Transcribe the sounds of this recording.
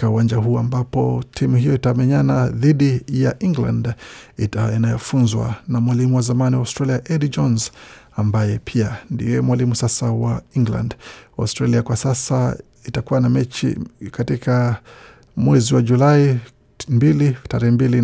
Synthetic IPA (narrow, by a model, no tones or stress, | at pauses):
kauwand͡ʒaɦuːambapɔtʰimuhijɔitamɛɲanaðiɗijaʔiŋɡla̰nditainajɔfunzwa̰namwalimuwazamaniwaustɾaliaʔɛdd͡ʒɔnz | ambajɛpʰiandḭjɛmwalimusasawaiŋɡla̰ndaustɾaliakwasasa | itakuwanamɛt͡ʃḭkatikʰa | mwɛziwad͡ʒulai | mbilitaɾɛhɛmbili